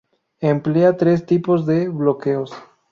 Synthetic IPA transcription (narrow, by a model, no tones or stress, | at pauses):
empleat̪ɾe̞st̪ipo̞zðe̞βlo̞ke̞os